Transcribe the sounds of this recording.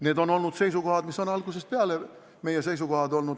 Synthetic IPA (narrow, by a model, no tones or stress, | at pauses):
neːd̪o̞no̞lnud̪̥se̞jsuko̞ɦɑd̪misːo̞nɑlɡ̥us̬e̞speɑle | me̞jese̞js̬uko̞hɑd̪o̞lnud̪